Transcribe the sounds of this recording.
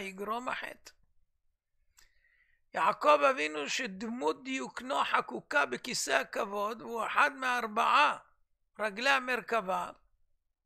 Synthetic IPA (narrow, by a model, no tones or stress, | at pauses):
jiɡɾoma̰ħḛt̪ | jaʕkovavinuʃed̪mud̪juknoħakukabekisehakavo̞d̪veueħad̪meaaɾbaʕa | ɾaɡlehameɾkava